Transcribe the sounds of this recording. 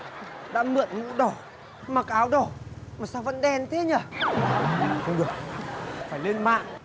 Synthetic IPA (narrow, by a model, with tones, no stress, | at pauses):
ɗa̰ː˧˥mɨ̰˧˨ənŋṵ˧˥ɗɔ˧˩ | maː˨˩kʔaː˨˦wɗɔ˧˩maː˨˩saː˧wvə̰˧˥nɗɛ˧nt̪ʰe˨˦ɲə˧˩˨ | xə˧wŋ͡mɗɨ˨˩ək̚faː˧˩jle˧nma̰ː˧˨ʔ